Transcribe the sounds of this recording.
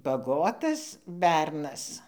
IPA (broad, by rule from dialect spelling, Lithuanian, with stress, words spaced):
bɐˈɡoːtɐs ˈbʲɛrnɐs